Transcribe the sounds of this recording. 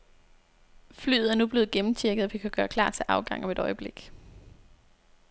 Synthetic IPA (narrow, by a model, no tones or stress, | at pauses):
fly̰ːð̩ˠæɐnub̥le̝ːð̞̩ˠɡ̥emm̩t͡ɕʰiɐɡ̥ð̩ˠɒʋikʰæɡ̥ɶːɐkʰl̥ɑ̰̈ːt͡sʰe̝lʔɑ̈ʊɡ̥ɑ̈ŋ̰ɒ̽me̝ɾ̥ɒ̽ɪəb̥le̝ɡ̥